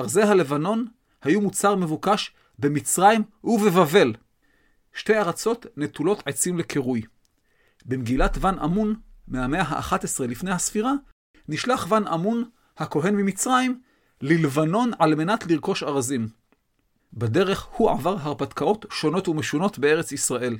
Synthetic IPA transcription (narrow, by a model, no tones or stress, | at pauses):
aʁze̞ɦale̞vano̞n | hajumut͡saʁme̞vukaʃ | bemit͡sʁaimuvevave̞l | ʃte̞jaʁat͡so̞tnetulo̞tʕet͡simlekʰeʁuj | bemɡilatvanʔa̰munmehame̞aɦa̰ʔa̰χatesʁelifne̞jhasfiʁa | niʃlaχvana̰mun | hako̞ɦe̞nmimit͡sʁaim | lilvano̞nʕalme̞natliʁko̞ʃaʁazim | bade̞ʁe̞χhuʔa̰vaʁɦaʁpatkao̞tʃo̞no̞tumeʃuno̞tbe̞e̞ʁet͡sisʁaʔe̞l